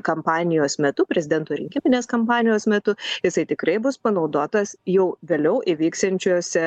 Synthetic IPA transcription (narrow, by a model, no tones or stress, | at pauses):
kɐmpɑːnʲɪjoːsmʲɛt̪ʊpʲɾʲɛzʲɪd̪ʲɛnt̪oːɾʲɪ̰ŋʲkʲɪmʲɪnʲeːskɐmpɑːnʲɪjoːsmʲɛt̪ʊjɪsɐɪt̪ʲɪkɾɐɪbʊspɐnɐʊd̪oːt̪ɐsjɛʊʋʲeːlʲɛʊʔɪʋʲiːkst̪ɐnʲt͡ʃʲoːsʲɛ